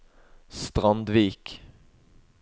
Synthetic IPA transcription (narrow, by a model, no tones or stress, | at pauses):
st̪ʁɑnd̪ʋiːk